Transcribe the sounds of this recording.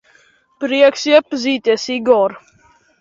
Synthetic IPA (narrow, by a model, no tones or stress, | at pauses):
pɾiəksjɛpziːt̪ʲɛsiɡɔɾ